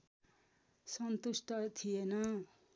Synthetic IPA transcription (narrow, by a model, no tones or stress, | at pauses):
sʌnt̪usʈʌt̪ʰijenʌ